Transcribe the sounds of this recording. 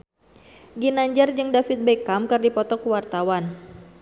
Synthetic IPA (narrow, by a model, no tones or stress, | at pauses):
ɡinaɲd͡ʒard͡ʒɨŋdafit̪̚bekamkardipɔt̪ɔkuwart̪awan